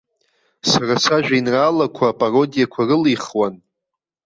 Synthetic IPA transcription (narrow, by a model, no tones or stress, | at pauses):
sarasaʒᶣainraːlakʷʰapʼaro̞dijakʷʰarɨlijχwan